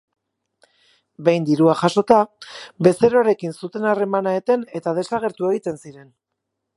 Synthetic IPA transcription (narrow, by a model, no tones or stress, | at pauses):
be̞jnd̪iɾuaʝaso̞t̪abe̞se̞ɾoaɾe̞kinsut̪e̞nare̞manaet̪e̞ne̞t̪að̞e̞saɣe̞ɾt̪ue̞ɣ̞it̪e̞nsiɾe̞n